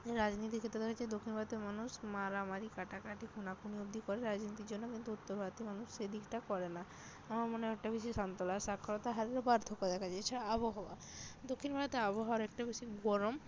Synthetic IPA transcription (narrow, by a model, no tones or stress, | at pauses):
d͡ʑeɾad͡ʑnit̪̬ikʰet̪ːɾod̪ɛkʰat͡ɕʰajd̪okʰːinbʱat̪emanuʃmaɾamaɾikaʈakɾaʈikʰunakuniob̚d̪ʱikɔɾeɾad͡ʑnit̪iɾd͡ʑonːokint̪uut̪ːoɾbʱat̪imanuʃːed̪ikʈakɔɾena | amaɾmoneɛk̚ʈabeʃ̬iʃɔnt̪olaɾsakʰːɔɾot̪aɦaɾiɾobaɾd̪ʱokod̪ɛkʰat͡ɕʰeet͡ɕʰaɾaaboɦaa̰ | d̪okʰːinbʱabt̪eaboɦaaɾɛk̚ʈabeʃiɡɔɾom